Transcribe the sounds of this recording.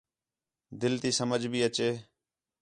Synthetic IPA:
d̪ɪlt̪iːsəməd͡ʒbʱiːət͡ʃeː

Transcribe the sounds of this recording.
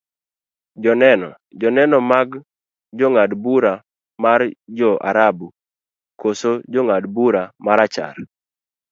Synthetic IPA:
d͡ʒɔnɛnɔ̰ | d͡ʒɔnɛnɔmaɡ | d͡ʒoŋadbuɾa | mard͡ʒɔʔa̰ɾabu | kosod͡ʒoŋadbuɾamaɾat͡ʃa̰r

